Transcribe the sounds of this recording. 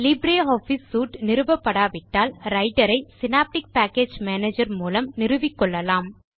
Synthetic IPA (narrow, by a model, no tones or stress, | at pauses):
lɪbɾeːoːfisːuːʈnɪɾɯʋɐpːɐɽaːʋɪʈːaːlɾɐɪʈɐɾɐɪsɪnaːp̚ʈɪk̚paːkːeːd͡ʒmeːneːd͡ʒɐɾmuːlɐmnɪɾɯʋɪkːɔɭːɐlaːm